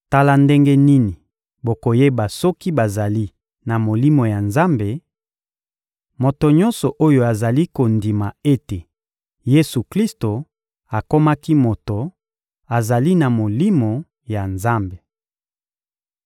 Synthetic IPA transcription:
ta˦la˨nde˦ŋɡe˦ni˦ni˨ | bo˨ko˨je˦ba˨sɔ˦ki˦ba˨za˨li˦ | na˨mo˨li˦mo˨ja˨nza˦mbe˨ | mo˨to˨ɲɔ̃˦nsɔ˨ʔo˦jo˨a˨za˨li˦ko˨ndi˨ma˨e˦te˨ | je˦su˨kli˦sto˨ | a˨ko˦ma˦ki˦mo˨to˨ | a˨za˨li˦na˨mo˨li˦mo˨ | ja˨nza˦mbe˨

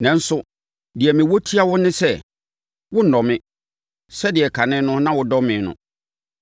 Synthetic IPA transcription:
nɛ̃˨n̩˦sʊ˦ | dɪ˨ɛ˨mɪ̃˨wo˦tʰi˦a˦wʊ˦nɪ̃˦sɛ˦ | wʊ˦n̩˨nɔ̃˨mɪ̃˦ | sɛ˦dɪ˨ɛ˨kʰa˨nɪ̃˦nʊ̃˦nã˦wʊ˨dɔ˦mɪ̃˨nʊ̰̃˨

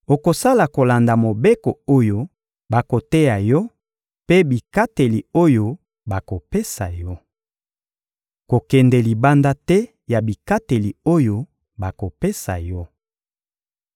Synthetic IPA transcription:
o˨ko˨sa˦la˨ko˨la˨nda˨mo˨be˦ko˨o˦jo˦ | ba˨ko˨tɛ˦ja˨jɔ˦ | pe˦bi˨ka˦te˨li˨o˦jo˦ | ba˨ko˨pe˦sa̰˨jɔ˦ | ko˨kɛ˨ndɛ˨li˨ba˦nda˦tɛ˦ | ja˨bi˨ka˦te˨li˨o˦jo˦ | ba˨ko˨pe˦sa̰˨jɔ˦

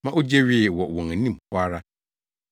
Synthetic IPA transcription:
mã˦ʔo˦d͡ʑɛ˦ɥi˦˨wɔ˨wɔ̃˨ŋæ˨nĩ˦m̩˨pʰʊ˦a˦ɾa˦

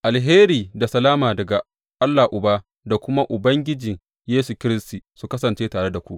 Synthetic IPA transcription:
ʔa˨lɦeː˦ɾiː˨da˨sɐ˨laː˦maː˨dɐ˨ɡa˨ | ʔa˦lːaː˨ʔʊ˨baː˦ | da˨kʷʊ˦ma˦ʔʊ˨bɐ˦ŋɡʲɪ˦d͡ʒɪ˨ŋ | jeː˦su˨kʲɪ˦ɾɪ˦stiː˨su˨kɐ˦sɐ˨nt͡ʃeː˦taː˨ɽe˦da˨kʷu˦ʔ

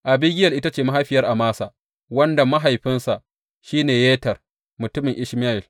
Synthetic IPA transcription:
ʔa˨bi˦ɡʲɪ˦jɐ˨lʔɪ˦ta˦t͡ʃeː˨ma˦ɦa˦jɸɪ˨jɐ˦rʔa˨maː˦sa˨ | wɐ˦nda˨ma˦ɦa˨jɸɪ˦nsa˨ʔ | ʃiː˦neː˨jeː˦tɐ˨r | mʊ˨tʊ˦mɪ˨ŋʔɪ˦ʃma˦ɪ˨l

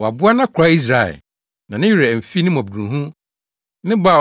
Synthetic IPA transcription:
wɔ˨a˨bʊ˦a˦nã˦kʷʰɾa˦i˦s̬ɾa˨ɛ̰˨ | nã˨nɪ̃˦jɾɛ˨m̩˨fi˦nɪ̃˦m˨ɔ̃˨bũ˨ɦũ˦ | nɪ̃˦ba˦˨

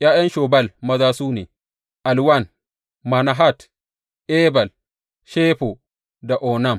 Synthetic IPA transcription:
ʔja˦jɐ˦nʃɔ˨ba˦˨lmɐ˨zaː˦suː˦nḛ˨ | ʔa˨lwa˦˨n | ma˨na˨ɦa˦t | ʔɛ˦ba˨l | ʃɛː˦ɸo˨ | da˨ʔɔ˨na˦˨m

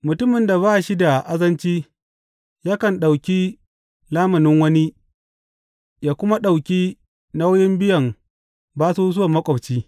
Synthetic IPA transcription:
mʊ˨tʊ˦mɪ˨nda˨baː˦˨ʃi˦da˨ʔa˦zɐ˦nt͡ʃiː˦ | jaː˦kɐ˨nɗa˨wkʲi˦ | laː˦mɐ˨nɪ˦ŋwɐ˦ni˦ | jaː˦kʷʊ˦ma˦ɗa˨wkʲi˦ | na˦wjɪ˦mbɪ˦jɐ˨m | baː˦su˦zʊ˦a˨mːɐ˦kʷʼɐ˨bt͡ʃiː˦

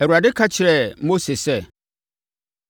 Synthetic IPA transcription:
ɛ˨wu˨ɾa˨dɪ˦kʰa˦t͡ɕʰɪ˨ɾɛ˨mo˦se˨sɛ˦˨

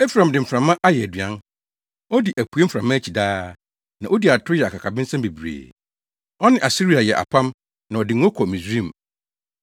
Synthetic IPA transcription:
e˦fɾã˨m˨dɪ˨m̩˨fɾã˨mːã˦ʔa˦jɛ˨æ˨dɥã˦n | ɔ˦di˨ʔæ˨kʰu˨˦e˦m̩˦fɾã˨mːã˦æ˦t͡ɕʰi˨daː˦ | nã˨ʔo˦di˨a˨tʰʊ˦jɛ˨a˨kʰa˨kʰa˨bɪ̃˦n̩˦sã˦mbe˨bɾḛː˨ | ɔ˦nɪ̃˦˨ʔa˨si˦ɾi˨a˨jɛ˨ʔa̰˨pʰã˦m | nã˨ɔ˨dɪ̃˨ŋ˦ɔ˦kʰɔ˨mĩ˨sɾĩ˦˨m˨

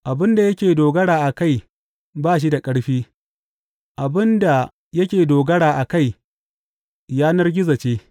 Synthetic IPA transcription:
ʔa˨bɪ˦nda˨jɐ˦kʲeː˨doː˨ɡɐ˦ɽaː˨ʔa˨ka˦˨j | baː˦˨ʃ̬i˦da˨kʼɐ˦ɽɸiː˦ | ʔa˨bɪ˦nda˨ | jɐ˦kʲeː˨doː˨ɡɐ˦ɽaː˨ʔa˨ka˦˨j | jaː˦nɐ˦rɡʲɪ˦za˨t͡ʃeː˦

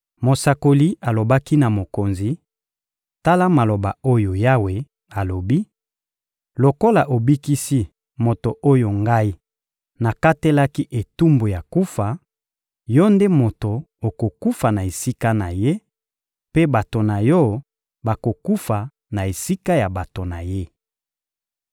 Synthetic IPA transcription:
mo˨sa˨ko˨li˦a˨lo˨ba˦ki˦na˨mo˨ko˨nzi˨ | ta˦la˦ma˨lo˨ba˨o˦jo˨ja˦we˨ | a˨lo˨bi˦ | lo˨ko˦la˨ʔo˨bi˦ki˦si˦ | mo˨to˨ʔo˦jo˨ŋɡa˦i˦ | na˨ka˦te˦la˦ki˦ʔe˨tu˦mbo˨ja˨ku˦fa˨ | jɔ˦nde˦mo˨to˨ | o˨ko˨ku˦fa˨na˨e˨si˦ka˦na˨je˦ | pe˦ba˨to˨na˨jɔ˦ | ba˨ko˨ku˦fa˨ | na˨e˨si˦ka˦ja˨ba˨to˨na˨je˦

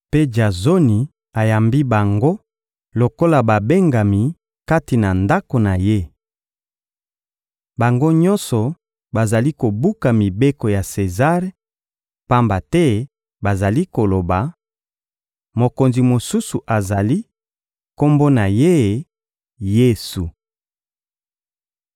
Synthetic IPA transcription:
pe˦d͡ʒa˨zo˦ni˨ | a˨ja˨mbi˦ba˨ŋɡo˦ | lo˨ko˦la˨ba˨be˦ŋɡa˨mi˨ | ka˦ti˨na˨nda˦ko˨na˨je˦ | ba˨ŋɡo˦ɲɔ˦nsɔ˨ | ba˨za˨li˦ko˨bu˦ka˨mi˨be˦ko˨ja˨se˨za˦ʁe˦ | pa˦mba˨tɛ˦ | ba˨za˨li˦ko˨lo˨ba˨ | mo˨ko˨nzi˨mo˨su˦su˨ʔa˨za˨li˦ | ko˦mbo˦na˨je˦˨ | je˦su˨

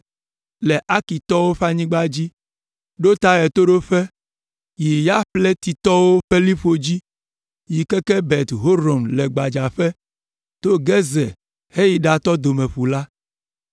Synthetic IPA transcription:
lɛ˨ʔa˦ki˨t̪ɔ˦wo˦ɸa˦ɲĩ˦ɡ͡ba˦d͡ʑi˦ | ɖo˦t̪a˦ɛ˨t̪o˦ɖo˦ɸɛ˦ | ji˨ja˦ɸlɛ˦t̪i˨t̪ɔ˦wo˦ɸɛ˦li˦ɸo˨d͡ʑi˦ | ji˨kɛ˦kɛ˦bɛ˨t̪ɦo˦ɾo˨mlɛ˨ɡ͡ba˨d͡ʒa˨ɸɛ˦ | t̪o˦ɡɛ˦zɛ˨ | he˦ji˦ɖa˨t̪ɔ˦d̪o˨mɛ˨ɸu˨la˦

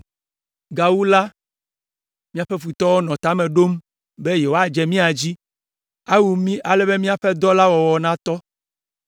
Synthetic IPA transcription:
ɡa˨wu˦la˦ | mĩ˦a˦ɸɛ˦ɸu˨t̪ɔ˦wɔ˦nɔ̃˨t̪a˨˦mẽ˨ɖo˦m | be˦je˨wo˦a˨d͡ʒɛ˨mĩ˦a˨d͡ʑi˦ | a˦wu˨mĩ˦ʔa˨lɛ˦be˦mĩ˦a˦˨ɸɛ˦d̪ɔ˦la˦wɔ˨wɔ˨nã˦t̪ɔ˦

